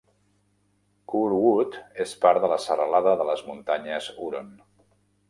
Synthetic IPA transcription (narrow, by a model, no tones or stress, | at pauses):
kuɾwut̪espaɾðələsərəlaðəðələzmunt̪aɲəzuɾon